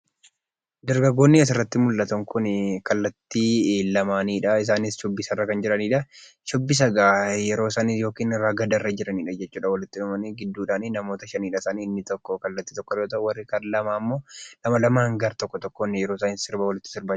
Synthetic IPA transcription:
d̪ɐɾɡɐɡːo̞ːnːɪɐs̬ɪrːɐt̪ːɪmʊlːɐt̪ɐŋkʊnkɐlːɐt̪ːilɐmaːniːᶑɐɪs̬aːnɪsʃɔbːɪsɐrːɐkɐnd͡ʒɪɾɐniːᶑɐ | ʃɔbːɪs̬ɐɡaːjɛɾo̞ːsaːniːsjo̞ːkiːnɪɾːaɡɐd̪ɐrːɐd͡ʒɪɾɐniːᶑɐd͡ʒɛt͡ʃːuːᶑɐwɐlɪt̪ːɪnʊmɐniɡɪd̪ːuːᶑaːninɐmo̞ːt̪ɐʃɐniːᶑɐɪsaːniːɪnːɪt̪ɔkːɔkɐlːɐt̪ːiːt̪ɔkːɔoːt̪ɐʔʊwɐrːɪkɐnlɐmaːmːo̞ːlɐmɐlɐmaːŋɡaɾt̪ɔkːɔt̪ɔkːonɪjɛɾoːsaːnɪsɪɾbawɐlɪt̪ːɪ̥sɪɾbaː

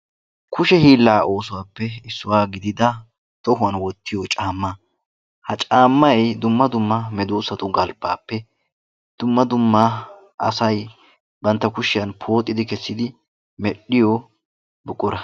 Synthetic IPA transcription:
kʰʊʃɛhiːlːaːʔo̞ːsʊwaːpːɛɪsːʊwaːɡɪd̪ɪd̪ɐ | t̪ɔɦʊwɐnwɔt̪ːɪjɔt͡ʃʼaːmːa | hɐt͡ʃʼaːmːɐɛjd̪ʊmːɐd̪ʊmːɐmɛd̪uːsɐt̪ʊɡɐlba̰ːpːɛ | d̪̥ʊmːɐd̪ʊmːa | ɐ̰sɐj | bɐnt̪ːɐkʊʃɪjɐnpʰo̞ːt̪ʼːɪd̪ɪkɛsːɪd̪ɪ | mɛɗːɪjɔ | bʊkʼːʊɾɐ

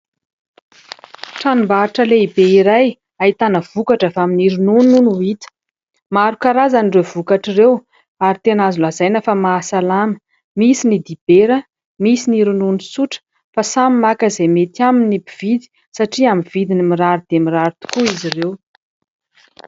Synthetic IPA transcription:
ʈ͡ʂanumbaiʈ͡ʂəleibeiɾaj | ait̪anəv̥ukaʈ͡ʂəfaminiɾunununuit̪ə̥ | maɾukaɾazanirev̥ukaʈ͡ʂirew | aɾit̪eanazulazajnəfamaːsalamə̥ | misinid̪ib̥eɾə | misiniɾununusuʈ͡ʂ | fasamimakəzemet̪aminibiv̥id̪i̥ | saʈ͡ʂiamiv̥id̪inimiɾaɾud̪̥emiɾaɾit̪u̥kuizirew

